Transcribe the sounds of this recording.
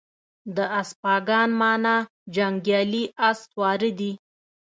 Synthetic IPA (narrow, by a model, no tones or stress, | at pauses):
d̪əaspɑɡɑnmɑnɑ | d͡ʒaŋɡjɑliast̪wɑɾəd̪i